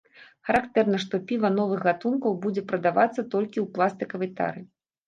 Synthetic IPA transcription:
xɐɾakt̪ɛrnɐʂt̪ɔpʲivɐnɔvɨxɣat̪unkɐwbud͡zʲɛpɾɐd̪avat̪sːɐt̪ɔlʲkʲiwplˠast̪ɨkɐvɐjt̪a̰ɾɨ

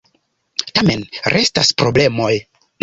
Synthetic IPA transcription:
tame̞nɾʔe̞staspɾo̞ble̞mo̞j

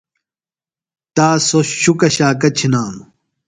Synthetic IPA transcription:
t̪aːsoɕukɐɕaːkɐt͡ɕʰinaːm

